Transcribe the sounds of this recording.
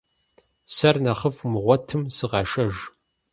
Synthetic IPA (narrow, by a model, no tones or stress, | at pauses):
sɐrnɐχəfmɨʁʷɔtʰɨmsɨʁɑʃɐʒ